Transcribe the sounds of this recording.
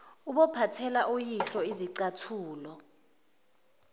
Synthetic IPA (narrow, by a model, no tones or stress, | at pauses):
uɓɔpʰatʰɛlaʔojiɬɔiziǀatʰuːlɔ